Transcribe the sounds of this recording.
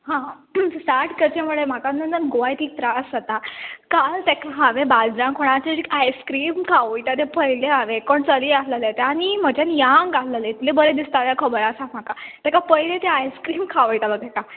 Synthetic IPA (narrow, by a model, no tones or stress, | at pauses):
ɦãsaʈʰkəɾt͡ɕemuɭem̤akanənt̪əɾɡoʋajt̪iːk̚t̪ɾasat̪akalt̪ɛkaɦãʋẽbad͡zɾãkʰoɽ̃at͡ɕad͡ʑikajskɾiːmkʰaʋəjt̪at̪epəɦileaʋekoɳt͡səliasləlet̪eaɽ̃im̤əd͡ʑanjãŋɡalːəlet̪lebəɾed̪ist̪aʋjakʰəbəɾasat̪m̤akat̪ɛkapəɦilẽt̪eajskɾiːmkʰaʋəjt̪alot̪ɛka